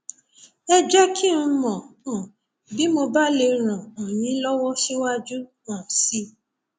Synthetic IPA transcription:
ɛ˧d͡ʒɛ˦kʰĩ˦mɔ̃˨ɔ̃˨ | bi˦mo˧ba˦le˧ɾ̃ã˨ɔ˨j̃ĩ˨˦lɔ˦wɔ˦ʃɛ˦wa˦d͡ʒu˦ | ã˨si˧˦

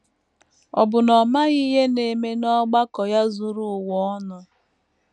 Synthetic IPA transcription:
ɔ̰˨bʊ˨nɔ˨ma˦ɣi˦ɦe˦ne˨me˦nɔ˦ɡ͡ba˦kɔ˨ja˦zu˦ɾu˦˨wɔ˦nɔ˨

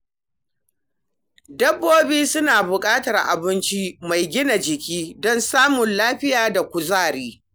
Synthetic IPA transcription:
dɐ˦bːoː˦biː˦sʊ˦naː˨bʊ˨kʼaː˦tɐ˨rʔa̰˨bɪ˦nt͡ʃi˦ma˨jɡʲɪ˦na˨d͡ʒɪ˨kʲiː˦dɔ˦nsaː˦mʊ˨nlaː˦ɸɪ˦jaː˨da˨kʷʊ˨zaː˦˨ɾiː˦

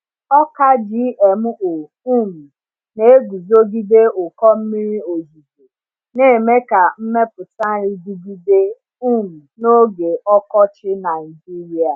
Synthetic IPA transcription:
ɔ˦ka˦d͡ʒi˦e˨mʊ˦ʔo˨ | u˦˨mu˨ | ne˨e˦ɡu˨zo˦ɡi˦de˦ʊ˨kɔ˦m̩˦mi˦ɾi˦o˨zu˨tu˨ | ne˦˨me˦ka˨m̩˦me˦pʊ˨ta˦ɾi˦ɡi˦ɡi˦de˦ | u˦˨mu˨no˦ɡe˨ɔ˦kɔ˦t͡ʃɪ˦na˨i˨d͡ʒi˦ɾi˦a˨

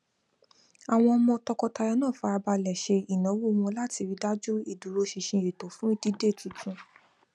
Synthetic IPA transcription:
a˨w̃ɔ̃˧ɔ˧mɔ̃˧tɔ˧kɔ˧ta˧ja˧nãː˦˨fa˧˦a˧ba˧lɛ˨ʃe˧i˨nã˨˦wu˦˧mɔ̃˧la˦ti˧wi˨˧da˦d͡ʒu˦i˦˨du˨˦ɾo˧˦ʃi˧ʃĩ˧e˨to˨˦fũ˦i˦˧di˦de˦˨tĩ˨˦kũ˧

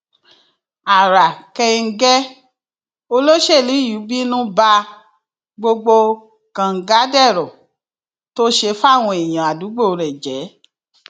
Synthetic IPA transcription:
a˨ɾa˨kɛ˧i˧ŋ̩˦ɡɛ˦ | o˧lo˦ʃe˦˨li˨˦ju˨˦bi˦nũ˦ba˧ | ɡ͡bo˧ɡ͡bo˧ | kã˨ŋ̩˨ɡa˨˦dɛ˦˨ɾɔ˨ | to˦ʃe˧fa˦˨w̃ɔ̃˧e˨j̃ã˨a˨du˨˦ɡ͡bo˦˨˧ɾɛ̃˨d͡ʒɛ˨˦

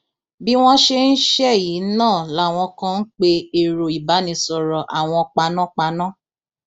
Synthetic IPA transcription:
bi˦w̃ɔ̃˦ʃe˧n̩˦ʃɛ˦˨ji˨˦nãː˦˨la˦˨w̃ɔ̃˧kã˧n̩˦k͡pe˧e˨ɾo˨i˨ba˨˦nĩ˧sɔ˨ɾɔ˨ʔa˨w̃ɔ̃˧k͡pa˧nã˦k͡pa˧nã˦

